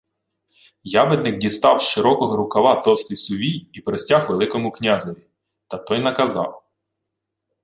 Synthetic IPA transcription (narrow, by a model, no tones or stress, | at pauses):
jɑʋed̪̚nɪk̚dʲist̪ɑwʃɪɾɔkɔɦɔɾʊkɐʋɑt̪ɔwst̪ijsʊʋʲijipɾɔsʲtʲaxʋelˠɪkɔmʊknʲazɐʋʲi | t̪ɐt̪ɔjnɐkɐzɑ̰w